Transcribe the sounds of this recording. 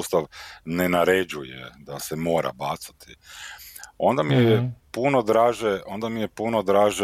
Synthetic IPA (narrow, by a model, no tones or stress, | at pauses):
st̪aʋnenaɾe̞d͡ʑujḛd̪asemo̞ːɾa̰baːt̪sḁt̪ʰi | o̞nd̪amijpunod̪ɾaːʒeo̞nd̪amije̞puno̞d̪ɾaːʒe